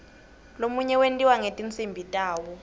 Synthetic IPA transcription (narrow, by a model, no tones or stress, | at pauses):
lomuɲɛwentʼiwaŋetʼint͡sʼimbʱitʼaːwɔ